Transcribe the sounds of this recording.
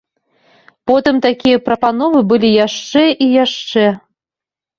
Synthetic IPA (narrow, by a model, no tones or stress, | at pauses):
pot̪ɨmt̪akʲijəprɐpanovɨbɨlʲijɑʂt͡ʂɛʔijæʂe